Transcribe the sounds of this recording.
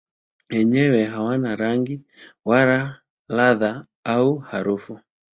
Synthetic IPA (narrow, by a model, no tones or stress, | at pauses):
wɛɲɛwɛɦawanaɾaŋɡiwaɾa | laða | auhaɾufu